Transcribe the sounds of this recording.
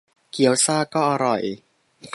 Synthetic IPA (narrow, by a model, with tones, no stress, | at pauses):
ki˩˦əwsaː˧kɔː˥˩ʔa˧ɾɔ˨˩j | k